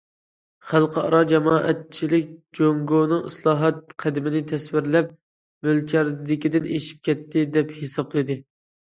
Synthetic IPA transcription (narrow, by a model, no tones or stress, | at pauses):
χælˠqʰɨɑ̰ɾɑd͡ʒɛmɑːʔɛ̰t̪̚t͡ʃʰilɪk̚ʲd͡ʒoŋɡonɨŋɨslˠɑːɦɑt̪̚qʰæd̪ɪmɪnɪt̪ʰɛswɪɾlɛp̚ | mølt͡ʃʰæɾd̪ɪkʲid̪ɪneʃi̥p̚kʲɛt̪ʰːɪd̪ɛphesɑblˠɨd̪ɨ